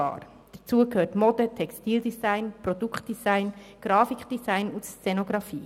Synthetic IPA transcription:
ɑ̰ːɾ | d̥ət͡suːəkʰøːtmɔd̥ətʰɛkstiːldisæɪnpɾɔdukχtd̥isæɪnɡ̥ɾɑːfikd̥izaɪnʊtst͡sɛnoɡɾɑfiː

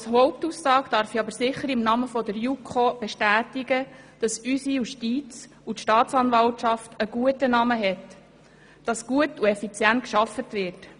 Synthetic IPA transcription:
sɦɔʊp̚tusːɑːɡd̥ɑɾfiɑbəɾsɪχəɾɪmnɑməfɔdəɾjukʰob̥ɛʃtæːtiɡəd̥ɑsysijuʃtiːt͡s | utʃtɑːt̪t͡sɑnʋɑltt͡ʃɑftəɡ̥uətənɑməɦɛt | d̥ɑsɡ̥uətuɛfit͡sjænt̚kʃɑfətʋɪrt

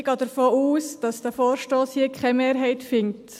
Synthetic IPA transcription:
ɡ̥ɑːd̥əɾfoːuːsd̥ɑsd̥æfoːɾʃtoːshiːəkχɛmeːɾɦɛɪtfɪnt

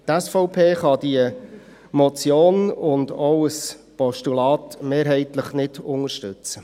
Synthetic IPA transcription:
tɛsfɔʊpʰeːχɑdiə | mɔt͡sjoːnʊndɔʊəspɔʃtulɑːtmeːɾɦɛɪtləχnɪd̥ʊŋəʃtʏt͡sə

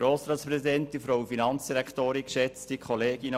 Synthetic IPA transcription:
ɾoːsɾɑːt̪spɾɛsidɛnt̪ifɾowfinɑnt͡sd̥iɾækʰtoːɾikʃɛt͡stikχɔleːɡinə

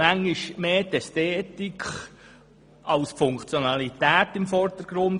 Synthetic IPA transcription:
æŋːiʃmeːtɛsteːtikχ | ʔɑlsfʊŋkt͡sjonɑlit̪æːt̪ɪmfɔrd̪̥əɾɡ̥ɾʊn

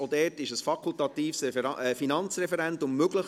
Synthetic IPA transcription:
odɛːtɪʃəsfɑkʰʊltɑt̪iːfsɛfinɑnt͡srɛfɛɾɛntʊmmøɡləχ

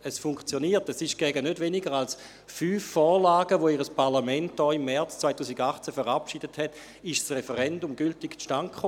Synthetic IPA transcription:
əsfʊŋkt͡sjoniːɐtəsiʃɡ̥ɛɡənødveniɡəʁals | fyːfːɔːʁlaːɡəʋoiʁəspʰaʁlamɛnt̚d̥ɔːimːɛɐt͡st͡svaɪtuːsiɡaχt͡sɛfəʁapʃidəthɛt | ɪʃsʁefəʁɛndumɡyltikt͡sʃtankχo

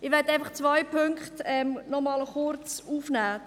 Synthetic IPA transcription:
ɪʋɛtaɪfɐχt͡svaɪpʰʏŋkχtɛmnɔmɑləχʊɾt͡suːfnæː

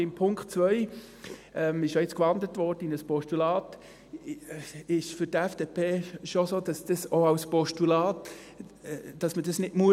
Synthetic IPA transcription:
ɪmpʰʊŋktt͡svœʏ | ɛmɪʃjojɪt͡skʋɑndətʋɔrdəɪnəspɔʃtulɑːt | ɪʃfʏtɛfd̥epʰeːʃosoːd̥ɑsd̥əsoɑʊspɔʃtulɑːt | d̥ɑsmədɑsnɪdmuə

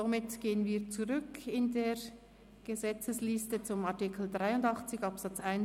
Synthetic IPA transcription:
omɪtɡ̥eːənviːɐt͡suʁʏkʰɪndeːʁ | ɡ̥əzɛt͡səslɪstət͡sʊmatɪkʰl̩dʁaɪʊndɑχt͡sɪçɑpsɑt͡saɪn

